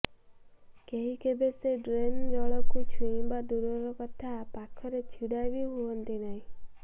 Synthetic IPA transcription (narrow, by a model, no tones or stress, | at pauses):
keɦikebeseɖɾend͡ʒɔɭɔkut͡ʃʰuĩbad̪uɾɔɾɔkɔt̪ʰapakʰɔɾet͡ʃʰiɽabiɦuɔnt̪inaɦĩ